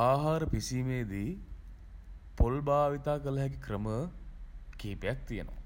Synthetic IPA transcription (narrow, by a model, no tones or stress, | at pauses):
aːɦaːɾəpisimeːd̪iː | polbaːʋit̪aːkələɦɛk̬ikrəmə | keːpejak̚t̪ijəno̰ʋa̰